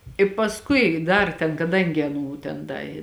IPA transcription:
ɪ pɐsˈkʊɪ ˈdɐr tʲɛn kɐˈdɐŋʲɡʲɪ ɐˈnuː ˈtʲɛn ˈdɐ ɪ

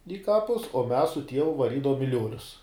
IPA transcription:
ɪ ˈkɑːpʊs oː mʲɛs sʊ ˈtʲiɛʋʊ ʋɐˈrʲiːdɐʋoːm ɪ ˈlʲuɔlʲʊs

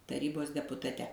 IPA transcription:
tɐˈrʲiːboːs dʲɛpʊtɐˈtʲɛ

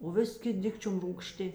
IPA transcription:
oː ˈʋʲɪsʲ ˈkʲɪtʲ ˈdʲɪkt͡ʃʲʊm ruːkˈʃʲtʲɪ

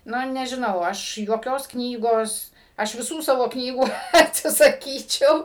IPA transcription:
ˈnʊ nʲɛʒʲɪˈnɐʊ ˈɐʃ juɔˈkʲoːs ˈknʲiːɡoːs ˈɐʃ ʋʲɪˈsuː ˈsɑːʋoː ˈknʲiːɡuː ˈɑːtʲsʲɪsɐˈkʲiːt͡ʃʲɛʊ

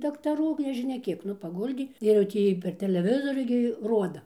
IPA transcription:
dɐktɐˈruː ɡʲɪ nʲɛʒʲɪˈnʲɛ ˈkʲiɛk ˈnʊ pɐˈɡʊlʲdʲeː ɪr jɛʊ ˈtʲiː pʲɛr tʲɛlʲɛˈʋʲɪzoːrʲʊ ɡʲɪ ˈroːdɐ

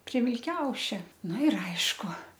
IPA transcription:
pʲrʲiɛ ʋʲɪlʲˈkʲɛʊʃʲɛ ˈnʊ ɪr ˈɐɪʃkʊ

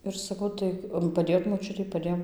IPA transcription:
ɪr sɐˈkɐʊ tɐɪ pɐˈdʲeːjoːt moːˈt͡ʃʲʊtʲɛɪ pɐˈdʲeːjoːm

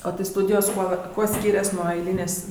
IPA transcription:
oː tɐɪ ˈstuːdʲɪjoːs ˈkuɔ ˈkuɔ ˈsʲkʲiːrʲɛs nuɔ ˈɐɪlʲiːnʲeːsʲ

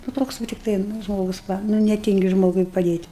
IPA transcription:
nʊ ˈtoːks ʋɐ tʲɪkˈtɐɪ nʊ ˈʒmoːɡʊs ˈʋɐ nʊ nʲɛˈtʲɪŋʲɡʲɪ ˈʒmoːɡʊɪ pɐˈdʲeːtʲ

